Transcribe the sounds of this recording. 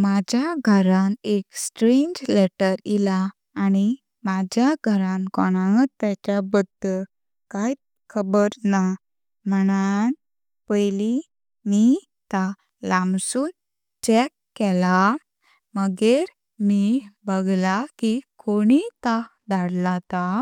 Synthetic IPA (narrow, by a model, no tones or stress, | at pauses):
mad͡ʑjaɡʱəɾaneksʈɾẽɲd͡ʑlɛʈəɾilaː | ñi | mad͡ʑjaɡʱəɾãnkɔɽ̃ãŋətt̪ːat͡ɕabəd̪ʱə | kaj | kʰəbəɾna | məɳ̃an | pəjli | mi | t̪a | lãmsuːn | t͡ɕɛkːɛla | məɡeɾ | mibəɡlakikoɽit̪a | d̪aɽlat̪a